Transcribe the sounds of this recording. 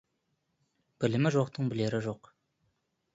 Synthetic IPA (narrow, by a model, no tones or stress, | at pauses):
b̥ɪlɪmɪʒo̞qt̪əɴbɪle̞ɾɪʒo̞q